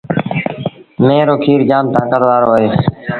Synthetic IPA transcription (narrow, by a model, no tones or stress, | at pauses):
meːɾoːkʰiːɾd͡ʒaːmt̪ãːkəɾʋaːɾoːəɦeː